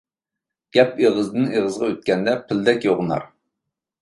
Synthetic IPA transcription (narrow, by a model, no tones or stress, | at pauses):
ɡ̥ʲɛpeʁəzd̪ɨneʁəzʁɑøt̪̚kʲɛnd̪ɛpʰɪld̪ɛkʲjoʁnɑ̰ɾ